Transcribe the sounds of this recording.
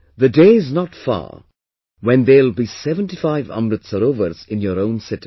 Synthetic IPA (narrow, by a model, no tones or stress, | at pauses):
ðəɖeːɪznɔtfa̰ | wɛ̃nd̪elˠbisɛvə̃nʈifaɪvhʌ̰̃ndɾədsəɾoːvəɾzɪ̃njɔɾõʊ̃nsɪti̥